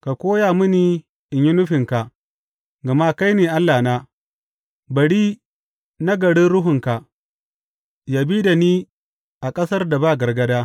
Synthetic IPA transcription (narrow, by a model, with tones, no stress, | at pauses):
ka˨kʷoː˦jaː˨mʊ˦niː˨ | ʔɪ˨ɲjɪ˦nʊ˦ɸɪ˨ŋka˨ | ɡa˨ma˦ka˦jneː˨ʔa˦lːaː˨naː˦ | bɐ˨ɽiː˦ | na˦ɡɐ˨ɽi˦ɾʊ˦ɦʊ˨ŋka˨ʔ | jaː˨biː˦da˨niː˦ | ʔa˨kʼɐ˦sɐ˦rda˨baː˦˨ɡɐ˨rɡɐ˦daː˦